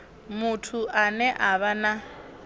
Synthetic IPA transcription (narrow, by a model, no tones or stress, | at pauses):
mutʰuʔanɛʔaβana